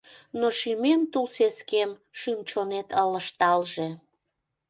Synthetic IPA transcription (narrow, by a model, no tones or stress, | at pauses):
noʃymemt̪ulseskemʃymt͡ɕonet̪ələʃt̪ɑlʒe